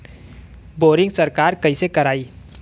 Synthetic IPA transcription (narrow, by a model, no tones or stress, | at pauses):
boːɾɪ̃ŋɡsɐɾkaːɾkɐɦiːsekɐɾaːiː